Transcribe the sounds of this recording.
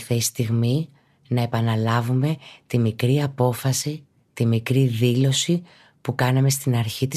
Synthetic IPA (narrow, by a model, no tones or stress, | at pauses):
θest̪iɣmi | nɐe̞pɐnɐlɐvume̞t̪imikɾiɐpo̞fɐsi | t̪imikɾiðilo̞si | pukɐnɐme̞st̪inɐɾçit̪i